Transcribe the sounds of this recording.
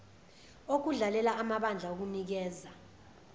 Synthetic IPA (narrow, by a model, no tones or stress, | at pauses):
ok̬uɮalɛlaːmaɓand͡ɮʱaok̬unik̬ɛːza